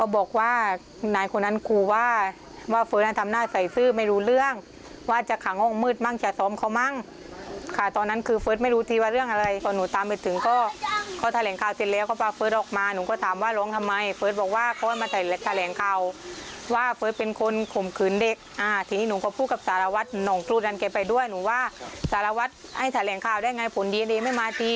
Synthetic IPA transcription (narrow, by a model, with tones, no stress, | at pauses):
kɔː˧˩bɔː˨˩k̚waː˧˩ | naː˨˦jkʰo˧nːa˧˥˨nkʰuː˧˩waː˧˩ | waː˧˩fɤː˧˥t̪̚na˧˩t̪ʰa˧mnaː˧˩sa˨˩jsɯː˧˩˨ma˥˩jɾuː˧lɯ˥˩əŋ | waː˧˨˩t͡ɕa˨˧˩kʰa˨˦ŋʔɔː˧˩ŋmɯː˧˥˩t̪̚ma˧˥˨ŋt͡ɕʰa˧˦sɔː˨˦mkʰa˧˩wma˧˥˨ŋ | kʰa˧˩t̪ɔː˧nːa˦˧˥nkʰɯː˧fɤː˧˦˥t̪̚m˥˩jɾuː˧˥t̪ʰiː˧waː˧ɾɯ˥˩əŋʔa˧ɾa˧jkɔː˧˩nuː˨˦t̪aː˧˦mpe˧˩t̪ʰɯ˨˦ŋkɔː˧˩kʰaː˧˩t̪ʰa˧lɛː˨˦ŋkʰaː˧˨˩wse˨t̪̚lɛː˦wkɔ˧˩paː˧fɤː˧˦˥t̪̚ʔɔː˨˩k̚maː˧nuː˨˦kɔː˧˩t̪ʰaː˨˦mwaː˧˥˩lɔː˨˦˥ŋt̪ʰa˧mːa˧jfɤː˧˥t̪̚bɔː˨˩k̚waː˧˥˩kʰɔː˧˩jmaː˧t̪ʰa˧˩jɛ˧˦t̪ʰa˧lɛː˨˦ŋkʰaː˧˩wwaː˧˥˩fɤː˧˥t̪̚pe˧nkʰo˧nkʰo˨˩mkʰɯː˨˩˦nde˨˧˩k̚ʔaː˧˩t̪ʰiː˧˨niː˧˥˨nuː˨˦kɔː˧˩pʰuː˧˩ka˧p̚saː˨˦la˧wa˧˦˥t̪̚nɔː˨˩ŋt̪ɾuː˧˩t̪̚ʔa˧nkɛː˧˩pa˧jdu˥˩əjnuː˨˦waː˧˥˩saː˨˦la˧wa˧˦˥t̪̚ha˧˩jt̪ʰa˧lɛː˨˦ŋkʰaː˧˩wdaː˥˩jŋa˧jpʰo˨˦ndi˧ndeː˧ma˧˥˩jmaː˧t̪iː˧